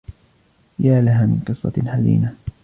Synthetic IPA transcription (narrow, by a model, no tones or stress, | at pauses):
jaːlaɦaːmɪnqɨsˤːɑ̰ħazḭːna